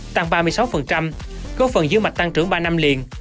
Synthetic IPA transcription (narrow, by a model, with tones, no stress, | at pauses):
t̪a˧ŋɓaː˧mɨ˧əjsa˨˦wfə˨˩nt͡ɕa˧m | ko˨˦˥fə˨˩nzɨ̰˨˦ma˨˩t̚t̪a˧ŋt͡ɕɨ˧˩əŋɓaː˧na˧mli˨˩ən